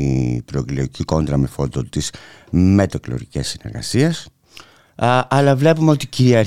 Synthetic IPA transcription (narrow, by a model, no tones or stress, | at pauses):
ipɾoklioiciko̞nd̪ɾɐmefo̞d̪ot̪iz̥ | met̪o̞klo̰ɾicesːineɾɣɐ̰sies | ʔɐlɐvle̞pumeo̞t̪iciɾiɐɾ